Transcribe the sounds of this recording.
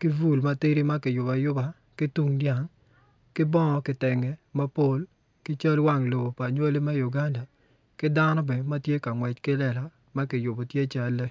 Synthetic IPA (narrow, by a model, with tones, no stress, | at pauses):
kɪ˦vu˦˨lma˦ti˦ɾi˦ma˦kɪ˨jʊ˨ba˨jʊ˦ba˨ | kɪ˦tu˦ŋdja˨ŋ | kɪ˦bɔ˦ŋɔ˨kɪ˨tɛ˨ŋɛ˨ma˦po˦l | kɪ˦t͡ʃa˦lwa˦˨ŋlo˨bo˨pa˨ɲwo˦li˦mɛ˦ju˨ɡa˦nda˨ | kɪ˦da˦nɔ˦bɛ˨ma˦tje˦ka˨ŋwɛ˨t͡ʃkɪ˦lɛ˦˨la˨ | ma˦kɪ˨jʊ˨bo˨tje˦t͡ʃa˦lːe˦